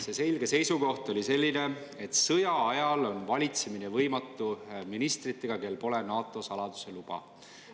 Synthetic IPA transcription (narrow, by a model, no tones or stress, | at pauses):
se̞se̞lɡ̥e̞se̞jsuko̞ht̪o̞lʲise̞lʲːine̞et̪sɤjɑɑjɑlo̞nvɑlʲit̪seminevɤjmɑt̪ːˑuminist̪rit̪ːˑe̞ɡ̥ɑke̞lpo̞le̞nɑːt̪ːˑo̞sɑlɑd̪̥u̥se̞lub̥ɑ̰